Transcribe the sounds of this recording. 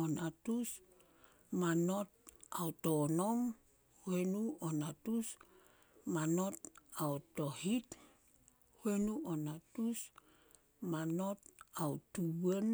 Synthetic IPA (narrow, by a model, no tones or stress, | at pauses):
onatus | manot̚awtonom | huenuonatus | manot̚awtohit | huenuonatus | mano̞t̚awtuwen